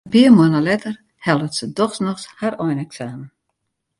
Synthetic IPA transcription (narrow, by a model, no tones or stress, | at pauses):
piəmuənalɛtər | hɛlˠətsədɔxsnɔxsharɔjnɛksaːmən